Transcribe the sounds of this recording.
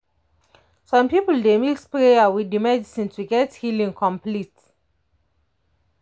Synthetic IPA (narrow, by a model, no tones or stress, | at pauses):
sɔ̃mpipəldemilspɹejawidimɛdisĩntʰuɡɛthilĩŋkʰɔ̃mplit